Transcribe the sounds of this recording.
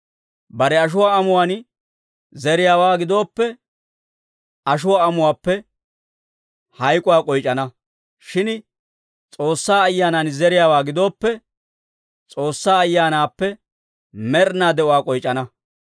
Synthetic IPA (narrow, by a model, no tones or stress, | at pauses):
bɐɾɛɐʃ̬ʊwaːɐmʊwaːn | zɛɾɪjaːwaːɡɪd̪o̞ːpːɛ | ɐʃ̬ʊwaːɐmʊwaːpːɛ | hɐjkʼʊwaːkʼɔjt͡ʃʼːɐnɐ | ʃɪn | t͡sʼo̞ːsːaːɐjːaːnaːnzɛɾɪjaːwaːɡɪd̪o̞ːpːɛ | t͡sʼoːsːaːɐjːaːnaːpːɛ | mɛɾnaːd̪ɛʔʊwaːkʼɔjt͡ʃʼːɐnɐ